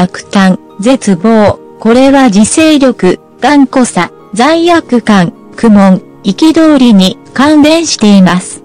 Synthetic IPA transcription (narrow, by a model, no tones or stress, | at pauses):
akɯ̟̥t̪ãŋ | d͡ze̞t͡sɨbo̞ː | ko̞ɾe̞βad͡ʑise̞ːɾʲo̞kɯ̟ | ɡ̥ãŋko̞sa | d͡zãĩjakɯ̟kãŋ | kɯ̟mõ̞ŋ | ikʲid̪o̞ːɾʲiɲ̟i | kãnɾẽ̞ɰ̃ɕi̥t̪e̞imasɨ̥